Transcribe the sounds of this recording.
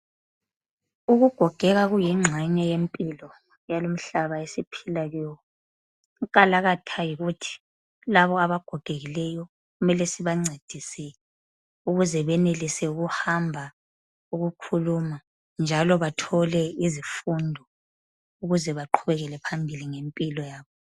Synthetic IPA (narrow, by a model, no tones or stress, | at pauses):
uɣuɡ̥ʱɔɡ̥ʱɛɣaɣujiŋ͡ǁʱɛɲɛjempʼilɔ | jalom̩ɬaβaesipʰilaɣɛɔ | ŋkʼalaɣatʰajiɣutʰi̥ | laβɔaβaɡ̥ʱɔɡ̥ʱeɣilɛjɔ | ɣumɛlɛsiβaŋ͡ǀed̥ʱisɛ | uɣuzɛβɛnelisɛuɣuhambʱa | uɣukʰuluma | nd͡ʒʱalɔβatʰɔlɛizifundʱɔ | uɣuzɛβaǃʰuβɛɣɛlɛpʰambʱiliŋempʼilɔjaːβɔ